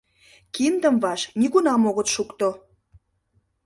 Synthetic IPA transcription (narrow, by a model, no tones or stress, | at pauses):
kind̪əmvɑʃniɣunɑmoɣət̪ʃukt̪o